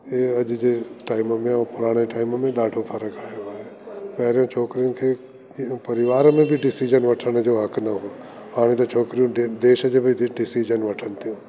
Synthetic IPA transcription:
eːɐʄd͡ʑeʈaːɪmmẽɔːpʊɾaːɽ̃eʈaːɪmmẽɗaːɖʱofʰɐɾəkaːɦjoaːɦeːpɛɦɾijõt͡ʃʰoːkɾijũkʰeː | pɐɾɪʋaːɾmẽbʱiɖɪsid͡ʒənʋɐʈʰəɽ̃d͡ʑoːɦɐkʰnɐɦo | ɦaːɽ̃ẽt̪ɐt͡ʃʰoːkɾijũd̪eːʃəd͡ʑebʱiɖɪsid͡ʒənʋɐʈʰənɪ̆t̪ʰijũ

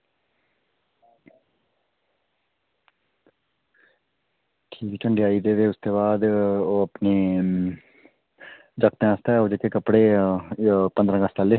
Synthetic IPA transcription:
ʈʰiːkːt͡ʃʰəɳɖeaːiːd̪eːd̪eːʊst̪eːbaːd̪oːəpneː | d͡ʒəkt̪ẽãːst̪aoːd͡ʒəkeːkəpɽeː | pə̃nd̪ɾə̃ɡəst̪aːle

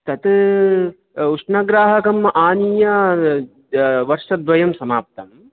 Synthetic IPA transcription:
t̪ɐt̪ | uʂɳɐɡɾaːɦɐkɐmʔaːnijɐ | ʋɐɾʂɐd̪ʋɐjɐmsɐmaːp̚t̪ɐm

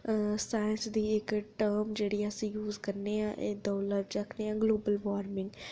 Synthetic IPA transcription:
saːjənsd̪iːɪkʈəɾmd͡ʒeːɽiːəsĩːjuːzkəɾneːãːʔeːd̪ɔːləɾd͡ʒəkʰneːãːɡloːbəlʋaːɾmɪ̃ŋɡ

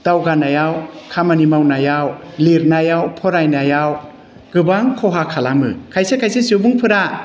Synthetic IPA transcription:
d̥awɡanajawkʰamanimawnajawliɾnajawpʰɔɾajnajaw | ɡ̥ɯbaŋkʰɔɦakʰalamɯ̰kʰajsekʰajsesiwbuŋpʰɯɾa

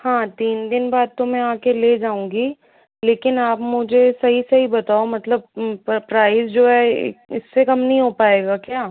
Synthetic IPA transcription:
hãːt̪iːnd̪ɪnbaːd̪̚t̪omɛ̃aːkeleːd͡ʒaːũːŋɡiː | leːkɪnaːpmʊd͡ʒʱesɐɦisɐɦibɐt̪aːomɐt̪ləb̚pɾaːɪzd͡ʒoːɦɛ̰ɪ̰sːekɐmnɐɦĩɦopaːeːɡakjaː

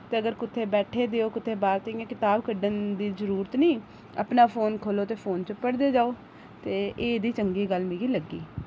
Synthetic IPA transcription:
t̪eːəɡəɾkʊt̪ʰːeːbɛːʈʰeːd̪eːoːkʊt̪ʰːeːbaːɾt̪eãkɪt̪aːbkəɖənd̪iːzəɾuːɾət̪nĩː | əpnaːpʰoːnkʰoːloːt̪eːpʰoːnt͡ʃəpəɽd̪eːd͡ʒaːoː | t̪eːeːd̪iːt͡ʃəŋɡiːɡəlmiɡiːləɡːiː

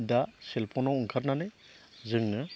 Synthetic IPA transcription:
daselpʰɔnɔwuŋkʰaɾnanɯ | zɯŋnɯ

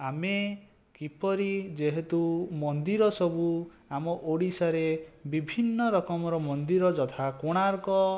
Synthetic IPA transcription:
ame | kipɔɾid͡ʒeɦet̪umɔnd̪iɾɔsɔbu | amɔʔoɽisaɾebibʱinːɔɾɔkɔmɔɾɔmɔnd̪iɾɔd͡ʒɔt̪ʰakoɽ̃aɾkɔ

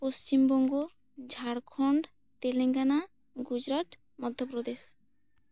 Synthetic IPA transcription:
post͡ɕimbɔŋɡo | d͡ʒʱaɽkʰɔɳɖ | t̪eleŋɡana | ɡud͡ʑɾat̪ | mɔd̪ʱjopɾɔd̪es

